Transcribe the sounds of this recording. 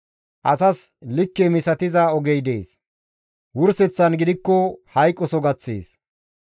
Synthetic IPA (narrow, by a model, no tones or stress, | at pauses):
ʔɐsɐslɪkːemɪsɐt̪ɪzɐɔɡɛjd̪ḛːs | wʊɾsɛt͡sːɐnɡɪd̪ɪkːɔhɐjkʼːɔsɔɡɐt͡sːḛːs